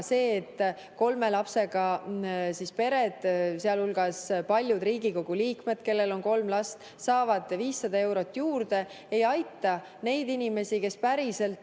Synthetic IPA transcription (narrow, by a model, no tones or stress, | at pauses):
se̞ːt̪ːˑ | ko̞lme̞lɑpse̞ɡ̥ɑsispe̞ɾed̪̥seɑlulɡ̥ɑspɑlʲjud̪riːɡ̥iko̞ɡ̥uliːkme̞d̪̥̚ke̞lːe̞lo̞nko̞lmlɑst̪ | sɑːvɑd̪̥viːsːɑd̪̥ɑe̞wɾo̞t̪ːˑjuːrd̪e̞ | e̞jɑjt̪ˑːɑ | ne̞jd̪inime̞sike̞spæɾise̞lt̪